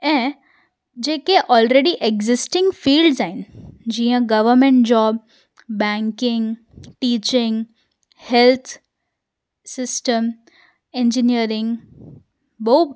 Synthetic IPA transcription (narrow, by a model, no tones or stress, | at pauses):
ẽ | d͡ʑeːkeʔɔːlɾeːɽiʔeɡzɪsʈɪ̃ŋɡfiːlɖzaind͡ʑĩːə̃ɡɐʋəɾmẽɳʈ̚d͡ʑɔːbː | ɛŋkɪŋɡ | ʈiːt͡ɕɪ̃ŋɡ | helt̪ʰ | sɪsʈəm | ẽnd͡ʒinijəɾɪ̃ŋɡ | bəɦu